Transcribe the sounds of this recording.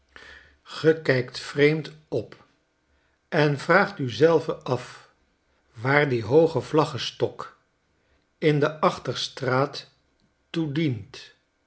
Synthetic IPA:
χəkɛjktfrejmtɔp | ɛnvraːχtyzɛlˠvəʔɑf | ʋaːɹdiɦowχəvlɑχəstɔk | ɪndəʔɑχtəɹstraːtː | udint

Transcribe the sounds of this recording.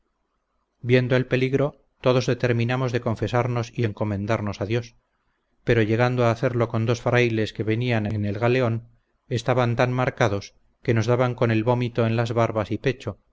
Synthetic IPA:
bje̞nd̪oe̞lpe̞liɣɾo̞ | t̪o̞ðo̞zðe̞t̪e̞ɾmĩnamo̞zðe̞ko̞ɱfe̞saɾno̞sie̞ŋko̞mẽ̞nd̪aɾno̞saðjo̞s | pe̞ɾo̞ʝe̞ɣ̞and̪oaːθe̞ɾlo̞ko̞nd̪o̞sfɾajle̞ske̞βe̞nianene̞lɣale̞o̞n | e̞st̪aβant̪anmaɾkaðo̞s | ke̞no̞zðaβaŋko̞ne̞lβo̞mit̪o̞e̞nlazβaɾβasipe̞t͡ʃo̞

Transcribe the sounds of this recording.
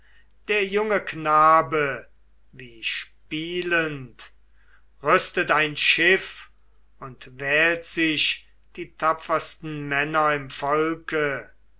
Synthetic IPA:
d̥eːɐjʊŋəknaːbə | viːʃpiːlənt | ʁʏstətaɪnʃɪf | ʊntvɛːltz̥ɪʃ | d̥iːtʰapfɐstn̩mɛnɐɪmfɔlkə

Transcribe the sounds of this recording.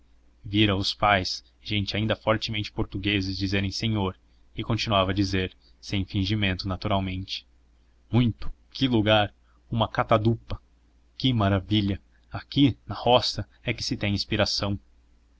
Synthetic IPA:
viɾɐʊspajs | ʒẽnt͡ʃɪaĩnd̪ɐfɔɾt͡ʃɪmẽnt͡ʃɪ̥poɾt̪uɡezɪzd͡ʒizeɾẽj̃sẽɲoɾ | ɪkõnt͡ʃinuavɐd͡ʒizeɾ | sẽj̃fĩʒimẽnt̪ʊnat̪uɾawmẽnt͡ʃɪ̥ | mũj̃t̪ʊ̥ | kʰɪluɡaɾ | ũmɐkat̪ad̪upɐ | kɪmaɾaviʎɐ | akinɐhɔsɐ | ɛkɪ̥sɪt̪ẽj̃ĩspiɾasɐ̃w̃

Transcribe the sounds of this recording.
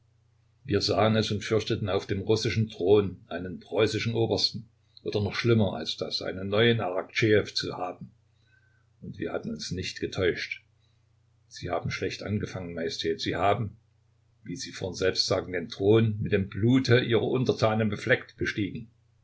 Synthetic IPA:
viːɐzaːənɛsʊntfʏɐçtətn̩aʊfd̥eːmʁʊsɪʃn̩tʁ̥oːnʔaɪnənpʁ̥ɔʏsɪʃn̩ʔoːbɐstn̩ | ʔoːdɐnɔχʃlɪmɐʔa̰lsd̥asʔa̰ɪnənːɔʏənʔaʁkt͡ʃeːɛft͡suhaːbm̩ | ʊntv̥ḭːɐhatn̩ʊnsnɪçtɡ̥ətʰɔʏʃt | z̥iːha̰ːbm̩ʃlɛçtʔa̰nɡəfaŋənmajɛstʰɛːtz̥iːhaːbm̩ | viːziːfɔnzɛlpstz̥aːɡŋ̩deːntʁ̥oːnmɪtd̥eːmbluːtʰəʔiːʁɐʔʊntɐtʰaːnənbəflɛktb̥əʃtiːɡŋ̩

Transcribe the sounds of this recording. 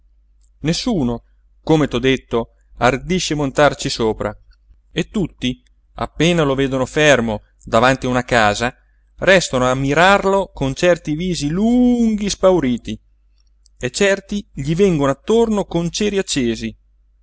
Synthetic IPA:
nesːuːno | komet̪ɔd̪et̪ːo | ard̪iʃːemont̪art͡ʃisoːpɾa̰ | et̪ːut̪ːi | a̰pːeːnaloveːd̪onofermo | d̪avant̪iaunakaːza | rɛst̪anoamːiɾarlokont͡ʃɛrt̪iviːziluŋɡispawɾiːt̪i | et͡ʃːɛrt̪iʎivɛŋɡonoat̪ːornokont͡ʃɛːɾiat͡ʃːeːzi

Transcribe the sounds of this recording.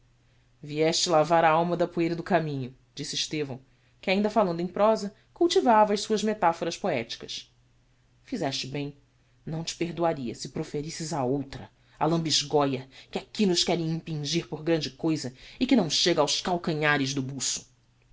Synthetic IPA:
viɛʃt͡ʃɪlavaɾaawmɐd̪ɐpuejɾɐd̪ʊkamĩɲʊ | d͡ʒisɪːʃt̪evɐ̃w̃ | kɪaĩnd̪ɐfalɐ̃nd̪ʊẽj̃pɾɔzɐ | kuwt͡ʃivavɐɐjsuɐzmet̪afoɾɐspoɛt͡ʃi̥kɐs | fizɛʃt͡ʃɪbẽj̃ | nɐ̃w̃t͡ʃɪ̥peɾd̪uaɾiɐsɪpɾofeɾisɪzɐowt̪ɾɐ | alɐ̃mbiʒɡɔjɐkɪakilʊʃkɛɾẽj̃ĩpĩʒiɾpoɾɡɾɐ̃nd͡ʒɪkojzɐɪkɪnɐ̃w̃ʃeɡɐawʃkawkɐ̃ɲaɾɪʒd̪ʊbusʊ̥

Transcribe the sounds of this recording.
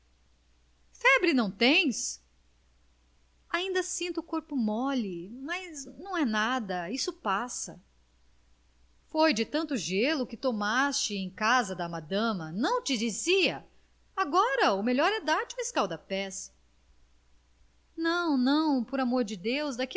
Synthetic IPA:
fɛbɾɪnɐ̃w̃t̪ẽj̃s | aĩnd̪ɐsĩnt̪ʊːkoɾpʊmɔlɪmɐznɐ̃w̃ɛnad̪ɐisʊpasɐ̰ | fojd͡ʒɪt̪ɐ̃nt̪ʊʒelʊkɪt̪omast͡ʃɪẽj̃kazɐd̪ɐmad̪ɐ̃mɐnɐ̃w̃t͡ʃɪd͡ʒiziɐ | aɡɔɾɐʊmeʎɔɾɛd̪aɾt͡ʃɪũɪskawd̪ɐpɛs | nɐ̃w̃nɐ̃w̃poɾamoɾd͡ʒɪd̪ewzd̪ɐki

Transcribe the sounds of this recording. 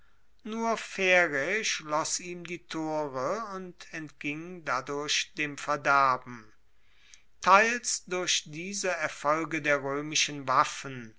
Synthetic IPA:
nuːɐfɛʁeʃlɔsiːmdiːtʰoːʁəʊntʰɛntɡ̥ɪŋdadʊɐɕd̥eːmfɛɐdæɐbm̩ | tʰaɪlsdʊɐʃd̥iːzəɛɐfɔlɡədeːɐʁøːmɪʃənvafən

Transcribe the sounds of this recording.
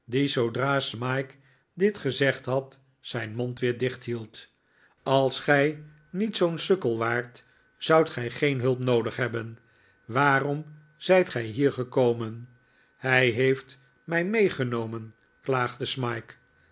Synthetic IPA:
dizowdraːsmɑjk | dɪtχəzɛχtɦɑt | sɛjnmɔntʋɪːɹdɪχtɦilˠt | ɑlˠsχɛj | nitsownsɵkəlˠʋaːɹt | z̥ɑwtχɛjχejnɦɵlˠpnowdəχɦɛbən | ʋaːrɔm | z̥ɛjtχɛjɦiːɹχəkowmən | hɛjɦejft | mɛjmejχənowmən | klaːχdəsmɑjk

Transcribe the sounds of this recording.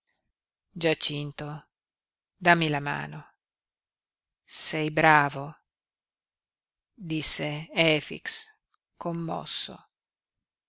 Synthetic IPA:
d͡ʒat͡ʃint̪o | d̪amːilama̰ːno | sɛjbɾaːvo | d̪isːeɛːfḭks | komːɔ̰sːo̰

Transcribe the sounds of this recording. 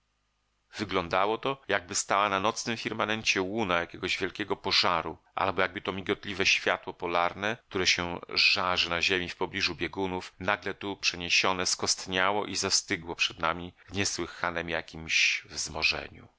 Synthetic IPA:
vɘɡlɔnd̪awɔt̪ɔjaɡ̚bɘst̪awananɔt̪snɘmfʲiɾmanɛɲt͡ɕɛwunajakʲɛɡɔʑvʲjɛlkʲɛɡɔpɔʐaɾuʔa̰lbɔjaɡ̚bɘt̪ɔmʲiɡɔt̪lʲivɛɕfʲjat̪wɔpɔlaɾnɛk̚t̪uɾɛɕɛʐaʐɘnaʑemʲifpɔblʲiʐubʲjeɡunufnaɡlɛt̪upʂɛɲeɕɔnɛskɔst̪ɲawɔʔizast̪ɘɡwɔpʂɛd̪namʲivɲɛswɘxanɛmjakʲimɕvzmɔʐɛ̰ɲṵ

